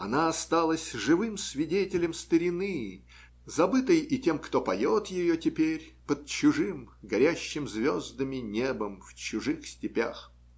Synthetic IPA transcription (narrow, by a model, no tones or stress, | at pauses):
ɐnaɐst̪alˠəsʲʐɨvɨmsvʲɪdʲetʲɪlʲɪmst̪əɾʲɪnɨ | zɐbɨt̪əjɪtʲe̞mkt̪opɐjot̪jɪjotʲɪpʲeɾʲpəd̪̚t͡ɕʊʐɨmɡɐɾʲæɕːɪmzvʲozd̪əmʲɪnʲebəmft͡ɕʊʐɨxsʲtʲɪpʲa̰x